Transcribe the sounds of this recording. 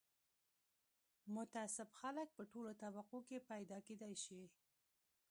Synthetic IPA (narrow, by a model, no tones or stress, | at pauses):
mʊt̪asɪbxalək̚pəʈolot̪abaqokepajd̪ɑked̪ajʃi